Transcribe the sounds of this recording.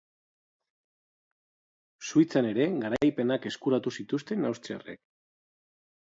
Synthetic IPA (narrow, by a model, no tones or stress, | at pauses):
suit͡sane̞ɾe̞ɣaɾajpe̞nake̞skuɾat̪usit̪ust̪e̞nawst͡s̪ia̰rḛk